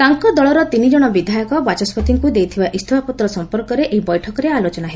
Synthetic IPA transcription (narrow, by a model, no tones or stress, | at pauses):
t̪aŋkɔd̪ɔɭɔɾɔt̪inid͡ʒɔɽ̃ɔbid̪ʱajɔkɔbat͡ʃɔspɔt̪iŋkud̪ejt̪ʰibaʔist̪ʰɔbʱapɔt̪ɾɔsɔmpɔɾkɔɾeʔeɦibɔjʈʰɔkɔɾealot͡ʃɔnaɦee